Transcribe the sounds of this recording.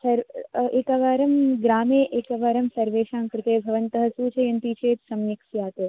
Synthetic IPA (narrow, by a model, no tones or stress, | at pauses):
sɐɾeːkaʋaːɾɐmɡɾaːmeːʔeːkɐʋaːɾɐmsɐɾʋeːʃaːmkɾɪt̪eːbʱɐʋɐnt̪ɐɦɐsuːt͡ʃʰejɐnt̪it͡ʃʰeːt̪sɐmjikʃjaːt̪eː